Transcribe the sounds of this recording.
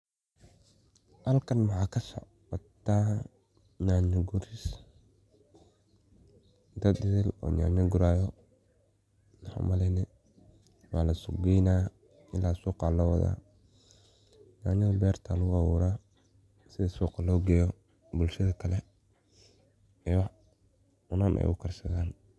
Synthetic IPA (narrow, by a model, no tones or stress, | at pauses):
hɐlkʰɐnwɐħaːkʰɐsɔ̰ʕ | ɔt̪ʰːaː | naːɲɐɡʊɾɪs | d̪ɐd̪dɪðɛlɔ̰ːna̰ːɲɐɡʊɾaːjɔ | nɐħa̰mɐlɛnɛ | waːlɐsʊɡɛjnaː | ɪlaːsuːqɑlɐwɐða̰ː | naːɲɐbɛːrt̪ʰalʊɣʊawuːɾaː | sɪðɐsuːqɑlɔːɡɛjɔ | bʊlʃɐðɐkʰɐlɛ | ɛːwɑħ | ʊnanʔɛ̰jʊkʰɐrsɐɣaːn